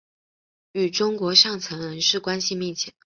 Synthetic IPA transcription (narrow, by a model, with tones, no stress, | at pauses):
y˨˩ʈ͡ʂʊ˥ŋkwɔ˧˥ʂɑ˥˩ŋt͡sʰə˧˥ŋɻə˧˥nʂɻ̩˥˩kwa˥nɕi˧mɛ˥˧t͡ɕʰjɛ˥˩